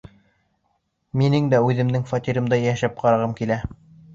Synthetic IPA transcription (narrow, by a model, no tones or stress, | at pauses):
minɘŋd̪æʉðɘ̆md̪ɘŋfɑt̪iɾɤ̆md̪ɑjæʃæp̚qʰɑɾɑʁɤmkilæ